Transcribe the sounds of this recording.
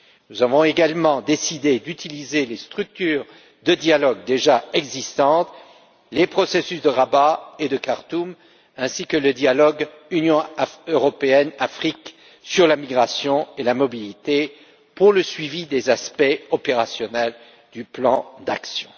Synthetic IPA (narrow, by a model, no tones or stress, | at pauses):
nuzavɔ̃eɡalmɑ̃d̪esid̪ed̪yt̪ilizelest̪χyk̚t̪yːʁ | d̪əd̪jalɔɡd̪eʒaɛɡzist̪ɑ̃t̪ | lepχɔsesysd̪əʁabaed̪əkaʁt̪um | ɛ̃sikələd̪jalɔɡ | ynjɔ̃øʁɔpeɛnafχik | syʁlamiɡʁasjɔ̃elamɔbilit̪e | puʁləsɥivid̪ezaspɛɔpeʁasjɔnɛl | d̪yplɑ̃d̪a̰ksjɔ̃